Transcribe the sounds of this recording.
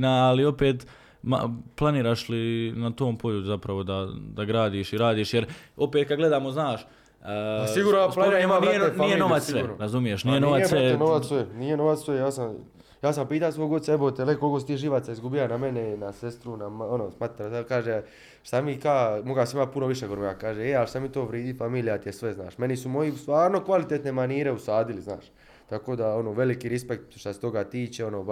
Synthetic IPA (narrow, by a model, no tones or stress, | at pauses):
naːlio̞peːt̪ | ma̰plˠaniːɾaːʃlinat̪oːmpo̞ʎuzapɾaʋo̞d̪ad̪aɡɾaːd̪iːʃiɾaːd̪iːʃjeɾo̞pet̪kad̪ɡle̞d̪aːmo̞znaːʃ | siɡuːɾnoɾaemanenijeno̞at̪ssʋeɾazumijeʃnijeno̞ʋassenoʋassʋenijenoʋat̪sʋejaːsam | jaːsampiːt̪asʋo̞jɡo̞d̪saebot̪elekolkosi̥t̪iːʒiʋat̪saizɡubijanamenenase̞st̪ɾunamonosmat̪ɾaalkaːʒe | ʃt̪amikaːmo̞ɡasimat̪̚punoʋiʃeɡoɾmoɡakaːʒeealʃt̪amit̪oːʋɾiːd̪ifamiːlijat̪ijesʋe̞zna̰ːʃme̞nisumo̞jist̪ʋaːɾno̞kʋalit̪et̪nemaniːɾe̞usaːd̪ilizna̰ːʃ | t̪ako̞ːd̪ao̞noːʋe̞likiɾispek̚t̪ʃt̪aset̪o̞ɡat̪iːt͡ʃeo̞noː